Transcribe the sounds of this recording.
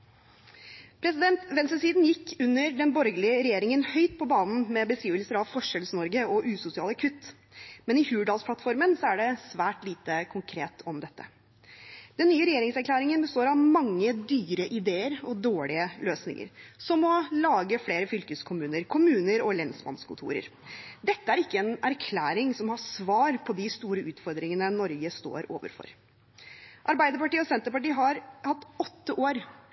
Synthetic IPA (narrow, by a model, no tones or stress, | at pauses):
pʰɾɛsɪd̪ɛnt̪ʋɛnsəsiːd̪njɪkːʉnːəɾɖɛnbɔɾɡəlɪəɾɛjeːɾɪŋənhœʏt̪̚pʰɔbɑːnn̩mɛbəskɾiːʋəlsəɾɑʋfɔʂɛlsnɔɾɡəɔʔʉːsʊsɪɑːləkʰʉt̪ː | mɛnɪçʉːʋəɖɑːlspʰlɑt̪fɔɾmənsɔæɖɛsʋæːʈliːt̪əkʰʊŋkʰɾeːt̪ʰɔmd̪ɛt̪ːə | d̪ɛnːyːəɾɛjeːɾɪŋsæɾkʰlæːɾɪŋənbəst̪oːɾɑʋmɑŋːəd̪yːɾəʔɪd̪eːəɾɔd̪oːɭɪəløːsnɪ̰ŋə̰ɾsɔmɔlɑːɡəfleːɾəfʏlkəskʰʊmʉːnəɾkʰʊmʉːnəɾɔlɛnsbɑ̰nskʊt̪ʰṵːɾə̰ɾd̪ɛt̪ːəæɾɪkːəɛːnæɾkʰlæːɾɪŋsɔmhɑsʋɑːɾpʰɔd̪ɪst̪uːɾəʉːt̪fɔɾd̪ɾɪŋənənɔɾɡəst̪o̰ːɾo̰ːʋə̰ɾfɔ̰ɾ | ʔɑɾbæɪd̪əɾpɑʈiːɔsɛnt̪əɾpɑʈiːəɦɑɾhɑt̪ːɔt̪ːəʔoːɾ